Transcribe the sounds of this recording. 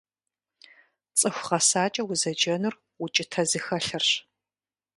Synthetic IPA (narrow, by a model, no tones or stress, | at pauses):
t͡sʼɨxʷʁɐsaːt͡ʃʼɐwʊzɐd͡ʒɐnɨr | ut͡ʃʼɪtʰɐzɨxɐɬɨrɕ